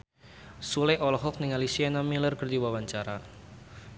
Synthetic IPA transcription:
sulɛʔɔlɔɦɔk̚niŋalisianamilərkərdiwawaɲt͡ʃaɾa

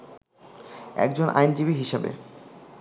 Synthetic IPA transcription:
ɛ̰kd͡ʑonʔa̰jnd͡ʑibiɦiʃebḛ

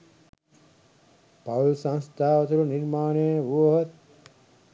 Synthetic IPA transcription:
pɐwlsɐ̃nst̪ʰaːʋɐt̪uluniɾmaːnejʋuʋɦɐt̪̚

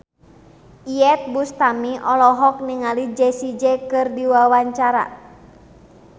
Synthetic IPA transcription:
iɛt̪̚bust̪amiʔɔlɔɦɔk̚niŋalid͡ʒɛsid͡ʒɛkɨrdiwawaɲt͡ʃaɾa̰

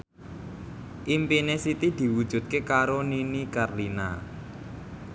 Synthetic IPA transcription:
ʔimpinesit̪id̪̥i̤wud̥ʒ̥ṳt̪̚kekaɾoninikarlina̰

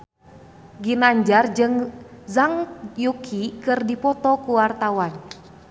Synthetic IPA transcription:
ɡinaɲd͡ʒard͡ʒɨŋzaŋjukʰikɨrdipɔt̪ɔkuwart̪awan

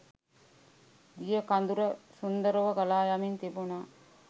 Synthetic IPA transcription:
ɡijəkand̪uɾəsund̪əɾoʋəɡalaːjamint̪ibuna

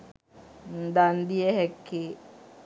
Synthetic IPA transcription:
n̩d̪and̪iɛɦɛkːi

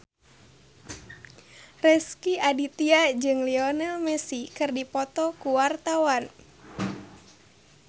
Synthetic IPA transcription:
rɛskiadit̪iad͡ʒɨŋliɔnalmɛsikɨrdipɔt̪ɔkuwart̪awan

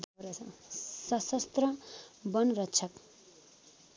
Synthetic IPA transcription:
d̪ɾ | sʌsʌst̪rʌbʌnrʌtːt͡ʃʰʌk

